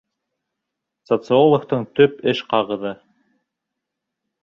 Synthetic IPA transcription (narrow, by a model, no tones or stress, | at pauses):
sot̪sɨo̞lˠŏkt̪ɤɴt̪ɵpɘʃqɑʁɤ̆ðɤ